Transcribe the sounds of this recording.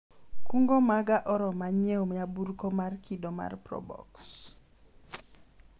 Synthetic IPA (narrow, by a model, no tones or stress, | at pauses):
kuŋɡomaɡaʔɔɾɔmaɲewmaburkomarkidoma̰rpɾɔ̰bɔ̰ks